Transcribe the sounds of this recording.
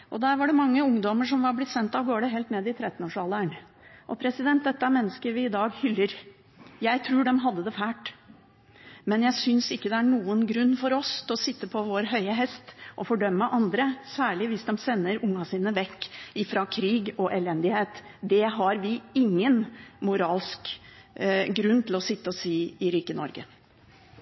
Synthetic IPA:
ʔɔd̪æːɾʋɑɖɛmɑŋːəʊŋd̪ɔməʂ̬ɔmʋɑɾblɪt̪ːsɛnt̪ɑʋɡoːɖɛɦeːlt̪neːd̪ɪt̪ʰɾɛt̪ːnoːʂɑːləæɳ | ʔɔpʰɾɛsɪd̪ɛnt̪̚d̪ɛt̪ːəæɾmɛnːəskəɾʋɪːd̪ɑːɡhʏlːəɾ | jæɪt̪ʰɾuːɖɛmɦɑd̪ːəd̪ɛfæːʈ | mɛnjæɪsʏnsɪkːəd̪ɛæɳuːənɡɾʉnːfɔɾɔst̪ɔsɪt̪ːəpʰɔʋoːɾɦœʏəɦɛst̪ʔɔfɔɖœmːəʔɑnd̪ɾəsæːɭɪʋɪsd̪ɛmsɛnːəɾʊŋːɑsiːnəʋɛkːɪfɾɑkʰɾiːɡɔʔɛlɛnd̪ɪheːt̪d̪ɛɦɑɾʋɪɪŋːənmʊɾɑːlsk | ɡɾʉnːt̪ʰɪlɔsɪt̪ːəɔsiːɪɾiːkənɔ̰ɾɡə̰

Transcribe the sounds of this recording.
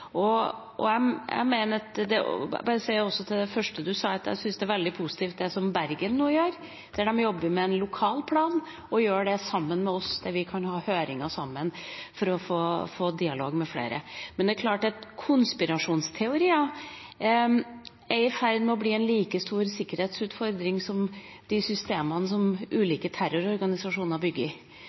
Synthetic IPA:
ɔ | ʔɔ̰æɪæ̰ɪmeːnət̪d̪ɛ̰bɑːɾəsɛɪɔsːɔt̪ʰɪld̪ɛfœʂʈəd̪ʉsɑːɑt̪jæ̰ɪsʏnsd̪ɛæɾʋɛld̪ɪpʰusɪ̥t̪ʰiːft̪̚d̪ɛsɔmbæɾɡənːuːəjøːɾ | d̪̥æɖɛmjɔbːəɾmɛɛnlʊkʰɑːlpʰlɑːn | ɔjøːɖɛsɑmːənmɛɔsd̪æɾʋɪkʰɑnhɑːhøːɾɪŋɑsɑmːənfɔɾɔfoːfoːd̪ɪɑlo̰ːɡmɛflḛːɾə̰mɛnd̪ɛkʰlɑːʈɛt̪kʰʊnspɪɾɑʂuːnst̪ʰɛʊɾiːɑ | ɛɾɪfæɾd̪mɛɔbliːɛnliːkəst̪uːɾsɪkːəɾheːt̪sʉːt̪fɔɾd̪ɾɪŋsɔm | d̪̥ɪsʏst̪eːmɑnəs̬ɔmʔʉːliːkət̪ʰæɾʊɾɔɾɡɑnɪsɑʂuːnəɾbʏɡːəɪ

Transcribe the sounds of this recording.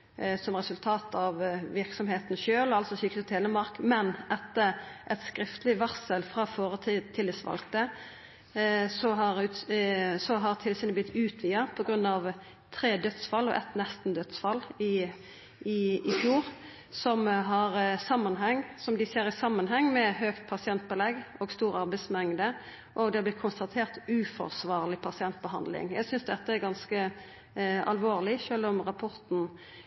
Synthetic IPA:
sɔmʁɛsʉlt̪ʰɑːt̪ʰɑʋʋɪʁksɔmheːt̪n̩ʃøːlɑlsɔsʏːk̪ət̪ʰeːləmɑʁkmɛnʔɛt̪ːəɾʔɛt̪skɾɪft̪lɪʋæʁsəlfʁɑːfoːɾət̪ʰit̪ʰɪld̪ɛsʋɑ̰lkt̪ə | sɔɦɑʁʉːt̪sɔɦɑʁt̪ʰɪlːəsɪnəblɪt̪ʰːʉːt̪ʰʋiːɑpʰɔɡɾʉnːɑʋ | t̪ʰɾeːd̪œt̪sfɑlːɔ̰ʔɛ̰t̪nɛst̪n̩d̪œt̪sfɑlːɪ | ɪɪfjuːʁ | sɔmɦɑʁsɑmːɑnɦɛŋːsɔmd̪ɪseːɾɪsɑmːənɦɛŋːmɛɦøːkt̪̚pʰɑsɪɛnt̪̚bəlɛɡoːɡst̪uːɾɑʁbɛɪsmɛŋd̪ə | ʔɔɡd̪ɛɑb̪ɪt̪kʰʊnst̪ɑt̪ʰeːʁt̪ʉːfɔ̰ʁsʋɑːʁlɪpʰɑsɪɛnt̪̚bəɦɑnd̪lɪ̰ŋjæɡsʏnsd̪ɛt̪ːəæɾɡɑnskə | ɑ̰lʋoːʁlɪʃøːlɔmʁɑpʰɔʁt̪n̩

